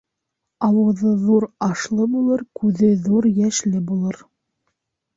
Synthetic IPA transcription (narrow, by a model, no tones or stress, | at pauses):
ɑwɤ̆ðɤðuɾɑʃlˠɤbulˠɤɾkʉðɘðuɾjæʃlɘbulˠɤɾ